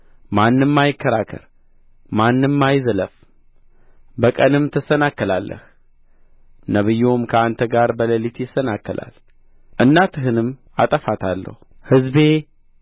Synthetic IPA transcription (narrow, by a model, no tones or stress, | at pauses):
manːɨmːajɪkʰːəɾakʰə̰ɾ | manːɨmːajzələf | bəkʼənɨmt̪ʰɨsːənakːəlalːʔə̰h | nəβɨjːomkʰəant̪ʰəɡaɾbələlit̪ʰjɪsːənakːəlʔa̰l | ʔɨnːat̪ʰɨɦɨnɨm | a̰t̪ʼəfat̪ʰalːə̰huhɨzbe̞